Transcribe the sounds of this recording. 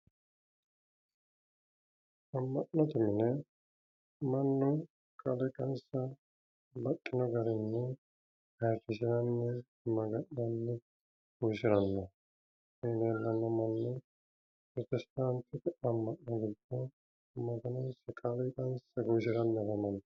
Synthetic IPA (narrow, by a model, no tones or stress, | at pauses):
ɐmːɐʔnɐt̪ɪmɪnɛ | mɐnːʊ | kʼɐlɛkʼɐnsɐ | bɐkʼːɪnɔɡɐɾɛnːɛ | hɐrɪsɪɾɐnːɛ | mɐɡɐʔnɐnːɛ | ɡ̥uʃɪɾɐnːɐ | eːneːlːɐnːɐmɐnːʊ | pɾɔt̪ɛst̪aːnt̪ʰːɪt̪ɪɐmːɐʔnɐɡɪd̪ɔ | mɐɡ̪ɐnɐnsɛkʼɐlɛkɐnsɐɡuʃ̬ɪɾɐnːɐɾɐmɐnː